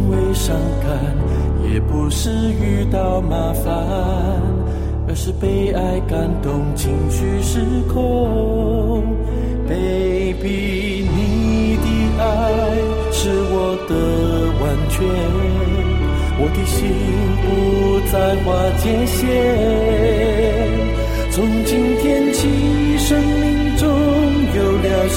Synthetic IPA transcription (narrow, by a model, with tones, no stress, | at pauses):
we˧ʂɑ˧ŋka˧n | jɛ˨˩pu˧ʂɻ̩˥˧ | y˥˧t̪ɑ˥˧ʊma˨˩˥fa˨˧ | nn | ə˧ʂɻ̩˥˧pe˧˥ɪa˧ɪka˧˩nt̪ʊ˧ŋt͡ɕʰi˧˩ŋt͡ɕʰy˥˧ʂɻ̩˥kʰʊ˥˦ | pe˥ | pi˧ | ni˧t̪i˧˩ | a˥˧ɪɪ | ʂɻ̩˧˥wɔ˨˩d̪ə˧˩ | wa˨˩nt͡ɕʰɥɛ˥ | wʔɔ˨˩t̪i˧˩ɕi˧ | ŋpu˧˩ | t͡sa˥˧ɪxwa˥˧t̪ʰjɛ˧nɕjɛ˥˦ | t͡sʰʊ˧˥ŋt͡ɕi˥nt̪ʰjɛ˥nt͡ɕʰi˥ | ʂə˥ŋmi˥ŋʈ͡ʂʊ˥ | ŋjo˨˩ʊljɑ˨˧˩